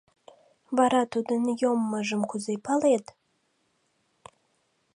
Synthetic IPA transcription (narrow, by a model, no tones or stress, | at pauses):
vaɾat̪ʰud̪ɨnjomːaʒɨmkʷʰʊzejpʰalet̪